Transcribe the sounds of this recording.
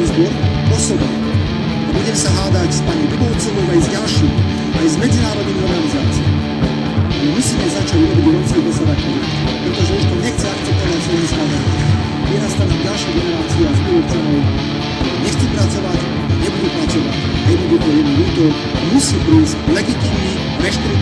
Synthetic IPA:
zbɔɾ | ɔsɔba̰ | abuɟɛmsaɦaːd̪acspaɲɛbibɔʊt͡sɔʋɔaizɟalʃiːm | ajzmɛd͡zinaːɾɔd̪niɣnɔɾɡalizaːt͡siɛ̰ | ɛmusiːmɛzat͡ʃaɟuɾɔbiɟɾɔpskiɣɾɔzɔd̪akɛli | pɾɛt̪ɔʒɛuʃt̪ɔɲɛxt͡sɛakt͡sɛp̚t̪ɔʋacsɔjispaɲɛ | buɛnast̪aɲimɟalʃɪɛɡɛnɛɾaːt͡siɛazbibɔt͡sɔʋɔ | ɲɛxt͡sɛpɾat͡sɔʋac | ɲɛbud̪upɾat͡sɔʋac | ɲɛbbud̪ut̪ɔjɛd̪nulut̪ɔ | musiːpɾizclɛɡit̪iːvnni | ɾɛʃt̪ɾi

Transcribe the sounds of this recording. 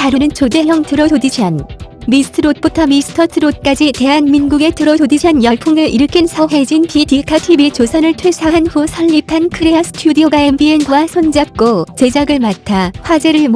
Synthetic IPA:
taɾunɯnt͡ɕode̞ɦjʌŋtɯɾʌtodiɕʰanmisʰɯ̥tʰɯɾot̚p͈utʰʌmisʰɯ̥tʰʌtʰɯɾot̚k͈ad͡ʑite̞ɦanminɡuɡe̞tɯɾʌtodiɕʰanjʌɭpʰuŋɯɭʔiɾɯkʰinsʰʌɦe̞d͡ʑinpitikʰatʰibit͡ɕosʰʌnɯɭtʰwesʰaɦanɸusʰʌʎːipʰankʰɯɾeasʰɯ̥tʰjudioɡaembienɡwasʰond͡ʑap̚k͈ot͡ɕe̞d͡ʑaɡɯɭmatʰaɸwad͡ʑe̞ɾɯɭm

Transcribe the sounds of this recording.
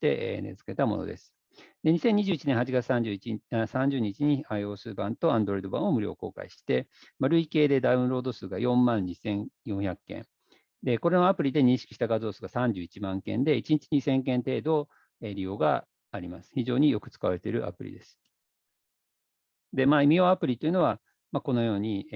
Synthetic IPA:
t̪ːe̞̰ʔenḛzɨ̥ke̞t̪amo̞̰no̰d̪e̞̰sɨ̥ | d̪e̞ɲ̟isẽ̞ɲ̟ːiʑɨːit͡ɕinẽhat͡ɕiɡat͡sɨ̥sãɲ̟d͡ʑɨːiisãɲ̟d͡ʑɨːɲ̟it͡ɕiɲ̟iaio̞ːsɨːbãnt̪o̞ãnd̪oɾd̪o̞bã̰o̞mɯ̟ɾʲo̞̰ːko̞̰ːka̰iɕi̥t̪e̞maɾɯ̟ike̞ːd̪e̞d̪aɯ̟̃ɾo̞ːd̪o̞sɨːɡajõ̞mːãɲːisẽ̞ŋjõ̞ɰ̃çʲakːẽ̞̰ŋ | d̪e̞ko̞ɾe̞no̞apɯ̟ɾʲid̪e̞ɲ̟ĩɰ̃ɕi̥kiɕi̥t̪aɡazo̞ːsɨ̥ːɡasãɲ̟d͡ʑɨːit͡ɕimãŋkḛ̃nd̪e̞it͡ɕiɲit͡ɕiɲ̟isẽ̞ŋkẽ̞nt̪e̞ːd̪o̞ | eɾʲijo̞ːɡa̰ː | ɾʲima̰sɨ̥çiʑo̞ːɲ̟ijo̞kɯ̟̥t͡sɨ̥kaβaɾe̞t̪e̞ɾɯ̟ʔa̰pɯ̟̰ɾʲḭd̪e̞sɨ̥ | d̪e̞maːimʲio̞ːapɯ̟ɾʲit̪ojiɯ̟no̞β̞a | mako̞no̞jo̞ːɲ̟i

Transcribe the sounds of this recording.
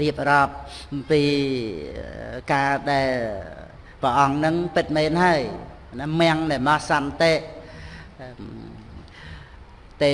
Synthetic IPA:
riəp̚rɑːp̚piː | kaːɗaɛl | prəʔɑŋnɨŋpɨt̪̚meːnhaəj | namɛ̆əŋnamɑhsɑnt̪eːʔ | t̪eː

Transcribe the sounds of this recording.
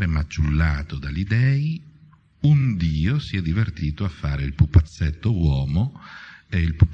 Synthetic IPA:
ɾemat͡ʃːulːaːt̪od̪alid̪ɛːi | und̪iːosiɛd̪ivert̪iːt̪oafːaːɾeilpupːat̪sːet̪ːowɔːmoeilpup

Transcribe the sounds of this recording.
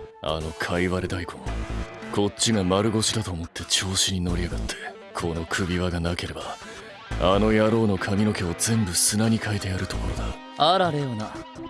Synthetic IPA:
a̰no̞kʰaiβaɾed̪aikõ̞̰nkʰo̞tt͡ɕːiɡamaɾɯ̟ɡo̞ɕid̪at̪o̞ːmo̞t̪ʰːe̞t͡ɕo̞ːɕiɲ̟ino̞ɾʲiaɡat̪ːe̞ | kʰo̞no̞kʰɯ̟bʲiβaɡanake̞ɾe̞ba | ano̞jaɾo̞ːno̞kʰamʲino̞ke̞ozẽ̞mbɯ̟sɨnaɲ̟ikʰaet̪e̞jaɾɯ̟t̪o̞ko̞ɾo̞d̪a | aɾaɾejona

